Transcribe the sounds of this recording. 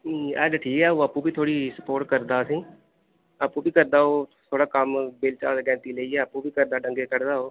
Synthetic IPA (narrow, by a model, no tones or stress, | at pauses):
niːɛ̰ːdʈʰiːkɛːoːəpːũːbiːt̪ʰoːɽiːsə̥poːɾʈkəɾd̪aːəsĩː | əpːũːbiːkəɾd̪aːɦoːt̪ʰoːɽaːkəmbeːlt͡ʃa̰ːd̪ɡɛ̃ːt̪iːleːiːɛːəpːũːbʱiːkəɾd̪aːɖə̃ŋɡeːkəɾd̪aːɦoː